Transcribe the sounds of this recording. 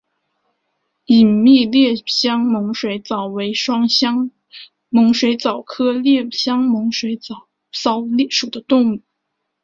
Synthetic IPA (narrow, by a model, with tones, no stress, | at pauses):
i˨˩nmi˥˧ljɛ˥˩ɕjɑ˥ŋmʊ˧˥ŋʂwe˧˥ɪt͡sɑ˨˩ʊwe˧˥ɪʂwɑ˥ŋɑ˥ŋ | mʊ˧˥ŋʂwe˧˥ɪt͡sɑ˨˩ʊkʰɤ˥ljɛ˥˩ɕjɑ˥ŋmʊ˧˥ŋʂwe˧˥ɪt͡sɑ˨˩ʊ | sɑ˥ʊlɛ˥˩ʂu˨˩d̪ə˦t̪ʊ˥˧ŋmu˥˩